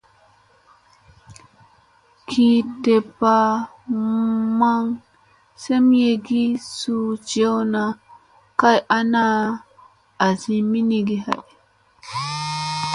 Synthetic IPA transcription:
kʰi˨te˨pa˨ | ma˦ŋ | se˦m˦je˨ɡi˦su˦d͡ʒe˦wna˨ | ka˦jʔa˦na˦ | a˨zi˨mi˦ni˨ɡi˦ha̰˨ʔ

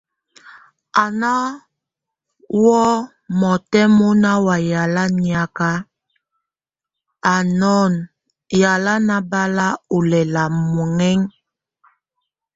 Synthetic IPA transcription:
a˨na˦ | wɔ˦ | mɔ˨tɛ˦mɔ˦na˦wa˨ja˨la˦ɲi˨a˨ka˦ | a˨nɔ˦˨n | ja˨la˦na˦ba˦la˦u˨lɛ˨la˨mɔ˨ŋɛ˦ŋ

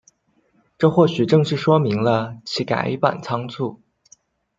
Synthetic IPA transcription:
ʈ͡ʂɤ˥˧xwɔ˥˩ɕy˨˩ʈ͡ʂɤ˥˧ŋʂɻ̩˥˩ʂwɔ˥mi˧˥ŋlə˧t͡ɕʰi˧˥ka̰˨˩ɪḭ˥˩pa̰˨˩nt͡sʰɑ˥ŋt͡sʰu˥˩

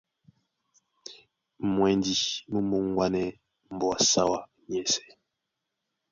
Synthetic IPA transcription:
mwɛ˨ndi˦mə˦mu˨ŋ˦ɡwa˦nɛ˦ | m̩˨bwa˨sa˦wa˨ | ɲɛ˨sɛ̥˨

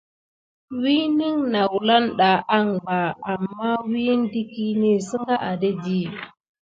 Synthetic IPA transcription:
wi˦ni˦ŋna˨wla˦nɗa˨ʔa˦ŋɡ͡ba˨a˨mːa˦wi˦n˦di˦ki˦ni˦sə˦ŋɡa˦ʔa˨de˦di˦˨

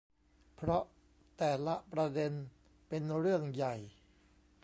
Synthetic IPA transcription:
pʰɾɔ˦˥ʔ | t̪ɛː˨˩la˦˥ʔpɾa˧de˧n | pe˧nɾɯ˥˩əŋja˨˩j

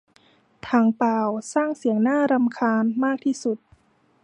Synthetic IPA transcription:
t̪ʰaː˧˩ŋpaː˨wsaː˥˩ŋsi˨˩˦əŋnaː˥˩ɾa˧mkʰaː˧nmaː˥˩k̚t̪ʰiː˥˩su˨˩t̪̚

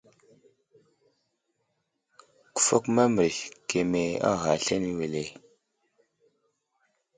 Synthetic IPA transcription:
ku̥˨fo˦kma˦mɾi˨ke˨me˨a̰˦ɣa˨ɬe˦ni˦we˨le˨

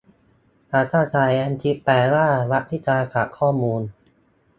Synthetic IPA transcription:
ʔa˧˩t̪ʰaː˥˩t͡ɕaː˨˩jʔɛ˧nt̪ʰi˦˥pɛː˨˧˩laː˥˩ɾa˦˥ʔt̪ʰiː˦˥˩t͡ɕaː˧ka˨˩kʰːɔː˥˩muː˧n

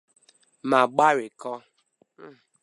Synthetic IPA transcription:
ma˨ɡ͡ba˦ɾɪ˨kɔ˦

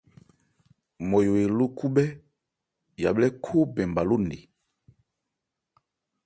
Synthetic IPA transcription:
mɔ˨jo˨e˨lo˦ku˦ɓɛ˦ | ja˨blɛ˦kʰo˦bɛ˨mba˨lo˦nḛ˨

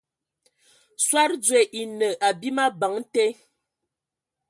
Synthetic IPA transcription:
swa˦ɾd͡zwe˨ʔi˨nə˨ʔa˨bi˦ma˦ba˨˦ŋ˦te˦

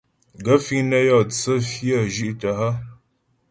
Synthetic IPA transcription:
ɡə˨˦fi˦ŋnə˦jɔ˦˨t͡sə˦fjə˦˨ʒi˦ʔtə˨ɦə˦

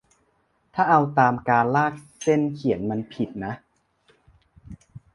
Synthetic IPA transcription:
t̪ʰaː˥˩ʔa˧wt̪aː˧mkaː˧nlaː˥˩k̚se˥˩nkʰi˨˩˦ənma˧npʰi˨˩t̪̚na˦˥ʔ

